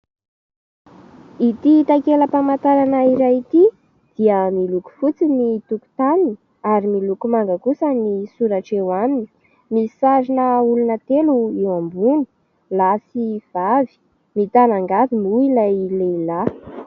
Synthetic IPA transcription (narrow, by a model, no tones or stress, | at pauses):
it̪it̪akeləpamat̪aɾanaiɾajit̪i | d̪̥iəmiluku̥fut͡sinit̪uku̥t̪anin | aɾimilukumaŋɡəkusənisuɾaʈ͡ʂewamini̥ | misaɾinəulunət̪eluewambuni̥ | lasiv̥avi̥ | mit̪anaŋɡavimuilajleila